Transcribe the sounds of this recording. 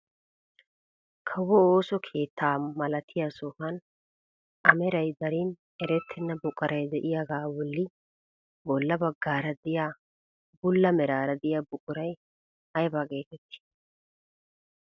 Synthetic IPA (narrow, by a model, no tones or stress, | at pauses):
kʰɐwɔoːsɔkʰe̞ːt̪ʰːaːmɐlɐt̪ʰɪjasɔfɐn | ʔɐmɛɾɐjd̪ɐɾɪn | ɛɾɛt̪ʰːɪnːɐbʊkʼɐɾʔɐjd̪ɛʔɪjaɡaːwɔlːɪ | bɔlːɐbɐɡːaːɾɐd̪ɪjaː | bʊlːɐmɛɾaːɾɐd̪ɪjabʊkʼʊɾɐj | hɐjbaːɡe̞ːt̪ɛt̪ːɪ̥